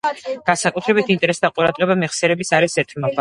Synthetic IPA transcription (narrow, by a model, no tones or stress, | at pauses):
ɡ̥ansakʼut̪ʰɾɛbit̪ʰint̪ʼɛɾɛsd̪aqʼuɾad̪ʁɛbamɛχsɛɾɛbisaɾisɛt̪ʰʼmɔba